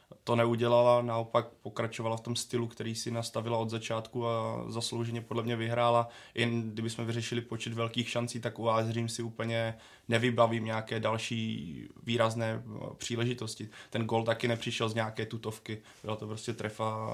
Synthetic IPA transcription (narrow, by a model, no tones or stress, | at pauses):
t̪o̞nɛuɟɛlalanao̞pak̚po̞kɾat͡ʃovalaft̪o̞mst̪ɪlukt̪ɛɾiːsɪnast̪avɪlaod̪zat͡ʃaːt̪kuazaslowʒɛɲɛpodlɛmɲɛvɪɦɾaːlaʔɪnɡdɪbɪsmɛvɪrɛʃɪlɪpo̞t͡ʃɛt̪vɛlkiːxʃant͡siːt̪akuaːzriːmsɪuːpl̩ɲɛ | nɛvɪbaviːmɲɛakɛːdalʃiːviːɾaznɛːpr̝̥iːlɛʒɪt̪o̞scɪt̪ɛnɡoːlt̪akɪnɛpr̝̥ɪʃɛlzɲɛakɛːt̪ut̪o̞fkɪ | b̥ɪlat̪o̞pɾoscɛt̪ɾɛfa